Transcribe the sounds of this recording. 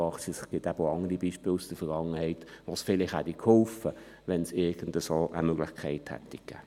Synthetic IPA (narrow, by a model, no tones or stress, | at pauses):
ɑχsisɡ̥ɪtæbəoɑŋəɾibiːʃpɪːlusd̥əfɛɡɑŋːəhɛɪtʋosfɪlɪχhædikʰhɔlfə | ʋɛnsɪɐɡ̥ən̩dəsoːʔə̰møɡlɪχkʰɛɪthɛ̰tːikɡ̥æ̰ː